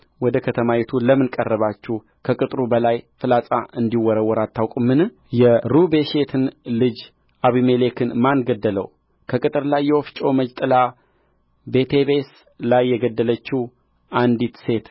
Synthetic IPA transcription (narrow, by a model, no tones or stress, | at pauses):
wɔd̪əkʰət̪ʰəmajɛt̪ʰuləmɨnkʼərːəβat͡ʃːɪh | kʰəkʼɨt̪ʼɾubəlajfɨlat͡sʼaʔɨnd̪iwɔɾəwːɔɾat̪ʰːawkʷʼɨmːɨnɨ | jɛɾubeʃe̞t̪ʰɨnlɨd͡ʒ | ʔaβime̞le̞kʰɨnmanɡəd̪ːələ̰w | kʰəkʼɨt̪ʼɨɾlajːɛwoft͡ʃʼo̞məd͡ʒt̪ʼɨla | be̞t̪ʰe̞βe̞s | lajːɛɡəd̪ːələt͡ʃːuh | ʔand̪it̪se̞t̪